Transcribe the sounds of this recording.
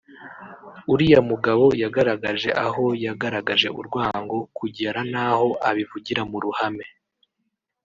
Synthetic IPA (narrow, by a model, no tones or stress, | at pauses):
uɾijamuɡaβo̞jaɡaɾaɡaʒe̞ʔaɦo̞jaɡaɾaɡaʒe̞uɾɡwaːŋɡo̞kʰuɟe̞ɾanaho̞ʔaβivuɟiɾamuɾuhame̞